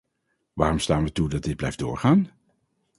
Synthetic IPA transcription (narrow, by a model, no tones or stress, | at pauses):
ʋaːrɔmstaːnʋətudɑt̚dɪd̚blɛjfdʊːɹχaːn